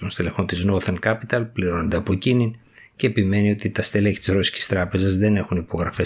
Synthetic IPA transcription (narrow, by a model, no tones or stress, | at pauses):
onst̪ilexot̪iznoθenkɐpit̪ɐlpliɾo̞nod̪eɐpo̞cinin | ceːpime̞nio̞t̪it̪ɐst̪eleci̥t̪izɾo̞si̥ci̥st̪ɾɐpe̞zɐzðe̞ne̞xunipo̞ɣɾɐfe̞